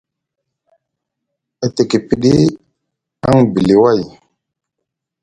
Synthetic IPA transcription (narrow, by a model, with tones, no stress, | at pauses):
a˨te˨ki˨pi˨ɗi˦ | a˦ŋbi˨li˨wa˦˨j